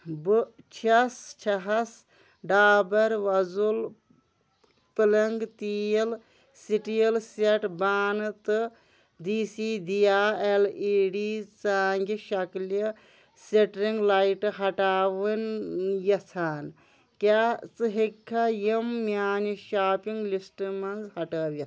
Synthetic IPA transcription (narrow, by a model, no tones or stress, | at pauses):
bɨt͡ʃʰɐst͡ʃʰɐɦɐs | ɖaːbɐɾʋɐzul | pɨlɐŋɡt̪ijɐl | siʈijɐlseʈbaːnɨt̪ɨ | d̪iːsiːd̪ijaːeliːɖit͡saːŋɡiʃɐkljɐ | seʈɾiŋɡlajʈɨɦɐʈaːʋɨnjɐt͡sʰaːn | kat͡sɨɦikʰːajimːjaːniʃaːpiŋɡlisʈmɐnzhɐʈɐːʋjɐt̪